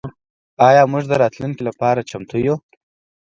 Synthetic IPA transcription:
ɑjɑmʊʒd̪əɾɑt̪luŋkilapɑɾat͡ʃamt̪ʰuju

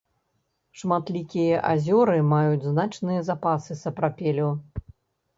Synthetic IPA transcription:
ʂmat̪lʲikʲijɐʔa̰zʲɔɾɨmajud͡zʲznat͡ʂnɨjɐzapasɨsɐpɾapʲɛlʲu

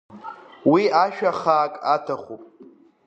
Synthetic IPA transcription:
wiaʃᶣaχaːkʼatʰaχupʼ

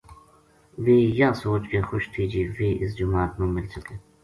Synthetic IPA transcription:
ʋiːjaːsoːt͡ʃkeːxʊʃt̪ʰiːd͡ʒiːʋiːʔɪsd͡ʒʊmaːt̪nõːmɪlsəkeː

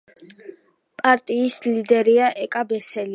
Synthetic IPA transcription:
pʼaɾt̪ʼiːslid̪ɛɾiaʔɛkʼabɛsɛli

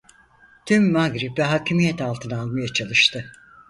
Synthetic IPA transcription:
t̪ʰymːaɡɾipɛɦacʰimijɛt̪ʰalˠt̪ʰɯnalˠmajat͡ʃʰalˠɯʃt̪ʰɯ

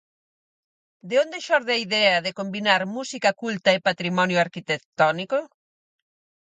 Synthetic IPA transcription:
d̪eond̪eʃɔɾðɪaiðɛɐðekombinaɾmusikɐkult̪ɐepat̪ɾimɔnjʊaɾkit̪ekt̪ɔniko

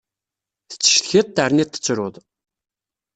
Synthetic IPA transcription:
θə̥t͡sːə̥ʃθçət̚ˤt̪ːəɾnit̪ːə̥t͡sːɾʊðˤ

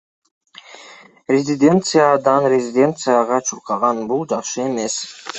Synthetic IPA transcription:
ɾɛzid̪ɛnt̪sʰɨjad̪ɑnɾɛzid̪ɛnt̪sʰɨjaʁɑt͡ʃʰuɾqʰɑʁɑnbulˠd͡ʒɑχʃiɛmɛs

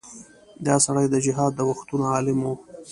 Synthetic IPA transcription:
d̪ɑsaɽajd̪əd͡ʒɪɦɑd̪ːəwaxt̪unoɑlɪmo

